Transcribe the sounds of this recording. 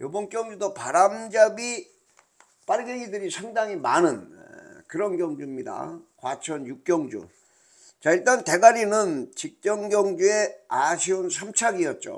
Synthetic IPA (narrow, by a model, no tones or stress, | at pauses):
jobʌnk͈jʌŋd͡ʑudopaɾamd͡ʑabi | p͈aɾɡeŋidɯɾisʰaŋdaŋimanɯnkɯɾʌnɡjʌŋd͡ʑuimɲida̰kwat͡ɕʰʌnjuk̚k͈jʌŋd͡ʑṵ | t͡ɕaiɭt͈ante̞ɡaɲinɯnt͡ɕik̚t͡ɕ͈jʌŋɡjʌŋd͡ʑue̞aɕʰiunsʰamt͡ɕʰaɡiʌt̚t͡ɕ͈o̰